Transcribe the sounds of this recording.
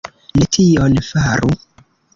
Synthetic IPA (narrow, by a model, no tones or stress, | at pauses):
netʰionfaɾu